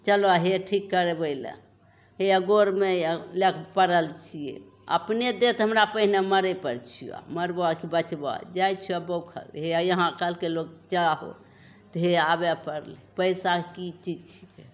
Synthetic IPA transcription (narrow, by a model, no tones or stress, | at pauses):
t͡ʃəlaɦeʈʰikːəɾebəjlə̰̃ | ɦeəɡoɾmelekʰpəɾəlt͡ʃʰijḛ | ə̰pned̪et̪ɦəmɾapəɦineməɾəpəɾt͡ʃʰia̰məɾbakibət͡ʃba̰d͡ʒajt͡ʃʰiabokʰə̰lɦejəɦãkəlkelok̚t͡ʃaɦo̰ | t̪ɦeabepəɾlɛpəjsakit͡ʃid͡ʒt͡ʃʰi̥ke